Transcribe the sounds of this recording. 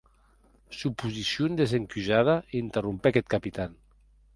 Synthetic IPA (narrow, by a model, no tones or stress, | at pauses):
supuzisjond̪ezeŋkyʒað̞aint̪erumpeakɛt̪kapit̪an